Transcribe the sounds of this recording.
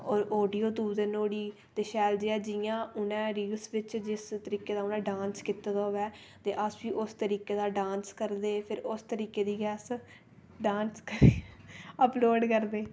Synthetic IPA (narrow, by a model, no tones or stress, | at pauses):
ɔːɾoːɖiːoːt̪uːbd̪eːnoːɽiː | t̪eːʃɛːld͡ʒeɛːd͡ʒɪjãːʊnɛ̃ːɾiːlsʋɪt͡ʃd͡ʒɪst̪əɾiːkeːd̪aːʊnɛ̃ːɖaːnskɪt̪aːd̪aːɦoːʋɛː | t̪eːʔəsʋiːʔʊst̪əɾiːkeːd̪aːɖãːnskəɾd̪eːpʰɪɾʊst̪əɾiːkeːd̪iːɡɛːs | ɖãːnskəɾeːəploːɖkəɾd̪eː